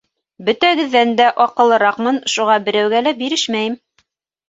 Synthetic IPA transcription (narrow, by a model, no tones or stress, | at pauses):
bɵ̆t̪æɡɘ̆ðːænd̪æʔɒqɤ̆lˠɤ̆ɾɑqmɤnʃuʁɑbɘ̆ɾæwɡælæbiɾɘʃmæjɘm